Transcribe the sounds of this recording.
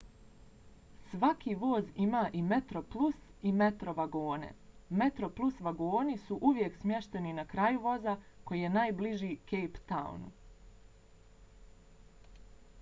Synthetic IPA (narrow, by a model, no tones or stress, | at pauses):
sʋakiʋo̞ːzimaːʔime̞t̪ɾo̞plˠus | ime̞t̪ɾo̞ʋaɡo̞ːne̞̰met̪ɾo̞plˠusʋaɡo̞ːnisuʔuʋjeksmʲje̞ʃt̪e̞ninakɾaːjuʋo̞za | kojije̞naːjbliʒiːke̞jpt̪a̰ṵn